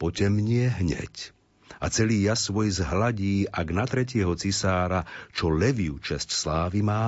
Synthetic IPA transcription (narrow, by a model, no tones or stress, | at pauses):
pɔcɛmɲɪɛɦɲɛ̰c | at͡sɛliːjasʋɔjzɦlaɟiːʔaɡnat̪ɾɛc̬ɪɛɦɔt͡sisaːɾat͡ʃɔlɛʋiut͡ʃɛscslaːʋimaː